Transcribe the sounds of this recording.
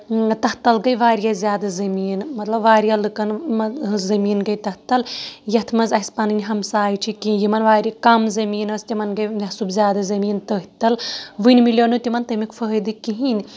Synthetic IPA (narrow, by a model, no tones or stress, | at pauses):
t̪ɐht̪ɐlɡɐjʋaːɾijazʲjaːd̪azɐmiːnmɐt̪lɐbʋaːɾjalɨkɐnmɐzɐmiːnɡɐjt̪ɐht̪ɐljɐt̪ʰmɐzɐspanɨnʲɦɐmsaːjt͡ʃʰikijimɐnʋaːɾikɐmzɐmiːnɐst̪imɐnɡɐjmʲɐsubzʲjaːd̪azɐmiːnt̪əɦit̪ɐlʋɨnʲmilʲjonut̪imɐnt̪ɐmikfʰəɦd̪ɨkiɦinʲ